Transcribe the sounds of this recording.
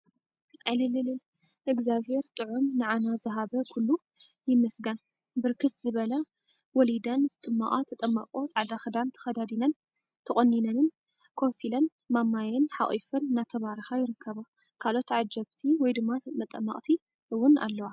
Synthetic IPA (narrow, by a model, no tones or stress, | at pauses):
ʕɨlɨlɨlɨ | ʔɨɡzaβhe̞ɾt̪ʼɨʕumnɨʕanazɨɦabɐkʰulːu | jɪmɐsɡɐn | bɨɾkʰɨt̪zɨβɐlɐ | wɔlid̪ɐnzɨt̪ʼɨmːaʔʼat̪ʰɐt̪ʼɐmːɐ̰qʼo̞t͡sʼaʕd̪axɨd̪ant̪ʰɐ̥xɐd̪ad̪inɐn | t̪ʰɐχʼonːinɐnɨn | kʰofilɐn | mamːajɐnħa̰χʼḭfɨnːat̪ʰɐβaɾixajɪɾɨkʰːɐβa | kʰalo̞t̪ʕad͡ʒɐβt̪ʰiwɔjd̪ɨmːamɐt̪ʼɐmːɐ̰qʼt̪ʰi | ʔɨwʊna̰lːɐwa